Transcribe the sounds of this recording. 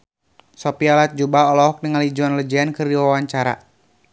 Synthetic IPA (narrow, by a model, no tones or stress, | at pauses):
sɔpialat̪̚d͡ʒubaɔlɔɦɔk̚nəŋalid͡ʒɔnləd͡ʒɛankɨrdiwawaɲt͡ʃaɾa̰